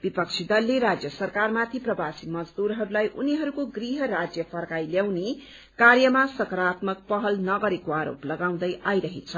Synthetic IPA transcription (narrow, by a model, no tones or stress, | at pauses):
b̥ipʌk̚t͡sʰid̪ʌlːeɾad͡zjʌsʌrkarmat̪ʰiprʌbasimʌd͡zd̪uɾɦʌɾulajʔuniɦʌɾukoɡriɦʌɾad͡zjʌpʰʌrkajljaw̃ne | karjʌmasʌkʌɾat̪mʌk̚pʌɦʌlnʌɡʌɾekoaɾo̰plʌɡaw̃d̪ʌjʔajɾʌɦet͡sʰʌ